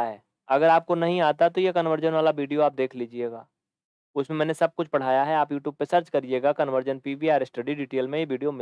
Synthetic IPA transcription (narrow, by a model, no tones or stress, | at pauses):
ɦɛː | ɐɡəɾaːp̚konɐɦĩaːt̪at̪ojekɐnʋəɾd͡ʒənʋaːlaʋiːɖijoaːp̚d̪eːkʰliːd͡ʒieːɡaː | ʊsmẽmɛ̃ːnesɐb̚kʊt͡ʃʰpɐɽ̤aːjaɦɛaːpjuːʈjuːb̚pːesɐɾt͡ʃkɐɾɪd͡ʒeːɡakɐnʋəɾd͡ʒənpiːʋiaːɾesʈɐɖiɖiːʈeːlmẽjeʋiːɖijomɪ